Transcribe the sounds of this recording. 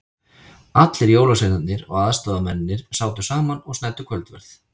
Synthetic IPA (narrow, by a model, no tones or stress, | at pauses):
at̪lɪɾjoːwlaseɣnat̪nɪɾɔ̰ɣaðst̪aːðamɛnːɪɾ̥saːwt̪ʏsaːmanɔɣsnɛt̪ːʏkʰvœlt̪vɛɾθ